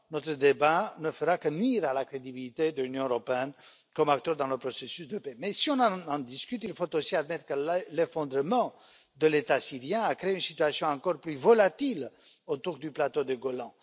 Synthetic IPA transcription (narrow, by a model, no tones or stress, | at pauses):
nɔt̪ʁəd̪ebanəfəʁakənɥiʁalakχed̪ibilit̪ed̪əlynjɔ̃øʁɔpeɛn | kɔmak̚t̪œʁd̪ɑ̃ləpɾosesysd̪əpemɛsiɔ̃nɑ̃ɑ̃d̪iskʲyt̪ilfot̪osiad̪mɛt̪ɾəkəllefɔ̃d̪ʁəmɑ̃ | d̪əlet̪asiʁjɛ̃akɾeeynsit̪yasjɔ̃ɑ̃kɔʁplyvɔlat̪il | ot̪uʁd̪yplat̪od̪əɡolɑ̃